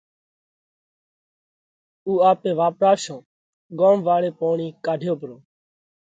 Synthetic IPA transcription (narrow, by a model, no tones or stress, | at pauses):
uːaːpẽːʋaːpɾaːʋʃõː | ɡõːmʋaːɽeːpoːɳiːkaːɖʱjoːpɾoː